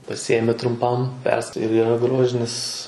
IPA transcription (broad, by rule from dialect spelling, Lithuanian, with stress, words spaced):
pɐˈsʲɪjeːmʲɪ trʊmˈpɐm pʲɛrsk ɪr iːˈrɐ ˈɡroːʒʲɪnʲɪs